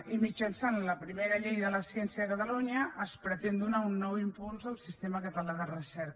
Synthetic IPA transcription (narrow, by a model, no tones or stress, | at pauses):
imid͡ʒənsanləpɾimeɾəʎejðələsjɛnsjəðəkət̪əluɲəʔəspɾət̪end̪unaunːɔwimpulˠzəlˠsist̪eməkət̪əlaðərəsɛɾk